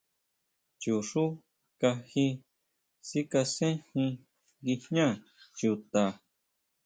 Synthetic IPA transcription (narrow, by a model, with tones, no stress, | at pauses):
t͡ʃu˨ʂu˦ | ka˧hi˧ | si˦ka˧sẽ˦hĩ˧ | ɣi˧hɲã˦˨ | t͡ʃu˧t̪a˨